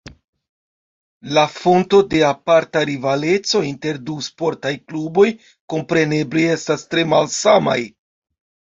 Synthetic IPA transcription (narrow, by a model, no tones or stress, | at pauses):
lafo̞nto̞de̞apaɾtaɾivale̞t͡so̞inte̞ɾduspo̞ɾtajklubo̞j | ko̞mpɾe̞ne̞blie̞stastɾe̞malsama̰j